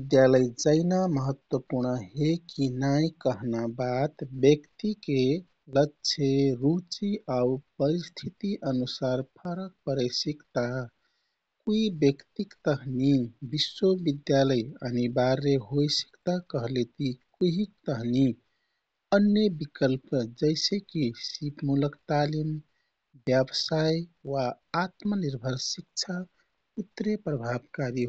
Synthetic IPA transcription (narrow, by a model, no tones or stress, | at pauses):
bid̪jaləjd͡ʒəɪnaməɦət̪wəpuɾnəɦekinajkəɦnabat̪bjəkt̪ike | lətːʃʰeɾut͡ʃiaupəɾist̪ʰit̪iʔənusaɾpʰəɾək̚pəɾəsikt̪a | kuibjəkt̪ikt̪əɦnibiswobid̪jaləjənibaɾːeɦojsi̥kt̪akəɦlet̪ikuɦikt̪əɦni | ənjəbikəlpd͡ʒəɪsekisipmuləkt̪alim | bjəbsajwaː | t̪məniɾbʱəɾsik̚t͡ʃʰa | ut̪ːɾepɾəbʱabkaɾi